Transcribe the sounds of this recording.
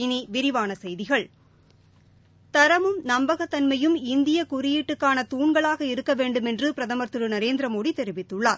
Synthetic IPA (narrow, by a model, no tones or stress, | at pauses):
niʋɪɾɪʋaːnɐsɛjðɪɣɐɭ | t̪ɐɾɐmɯmnɐmbɐɣɐt̪ːɐnmɐjɯmɪnd̪ɪjɐkʊɾɪjiʈːɯkːaːnɐt̪uːɳɡɐɭaːɣɐɪɾɯkːɐʋeːɳɖɯmɛndrɯpɪɾɐðɐmɐɾt̪ːɯɾɯnɐɾeːnd̪ɪɾɐmoːɽit̪ɛɾɪʋɪt̪ːɯɭːaːɾ